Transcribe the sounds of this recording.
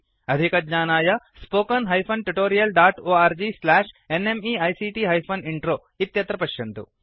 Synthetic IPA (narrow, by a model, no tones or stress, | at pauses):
ɐd̪ʱikɐd͡ʒɲaːnaːjɐspoːkɐnɦɐjpʰɐnʈuʈoːɾijɐlɖaːʈoːaːɾd͡ʒislaːʂ | enemiːɐjsiːʈiːɦɐjpʰoniɳʈɾoː | it̪jɐt̪ɾɐpɐʃjɐnt̪ṵ